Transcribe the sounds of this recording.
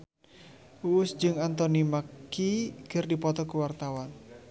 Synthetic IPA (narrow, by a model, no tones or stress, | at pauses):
uʊsd͡ʒɨŋant̪ɔnimakkiɡ̥ərdipɔt̪ɔkəwart̪awan